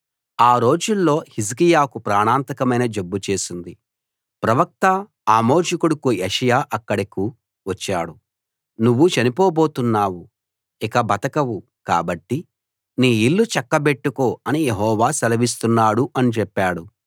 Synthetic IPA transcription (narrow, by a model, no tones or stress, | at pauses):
aːɾo̞ːd͡ʒulːo̞ːhis̬ikijaːkupɾaːɳaːnt̪ɐkɐmɐjnɐd͡ʒobːut͡ʃe̞ːsind̪i | pɾɐʋɐk̚t̪ɐ | aːmo̞ːʃɐkuɽukujeʂɐjaːʔɐkːɐɽɐku | ʋɐt͡ʃːaːɽu | nuʋːut͡ʃɐnipo̞ːbo̞ːt̪unːaːwu | ikɐbɐt̪ɐkɐwu | ka̰ːbɐʈːi | niːilːut͡ʃɐkːɐbe̞ʈːuko̞ːɐnijeɦɔːʋaːsɐlɐʋis̬t̪unːaːɽuʔɐnit͡ʃɛpːaːɽu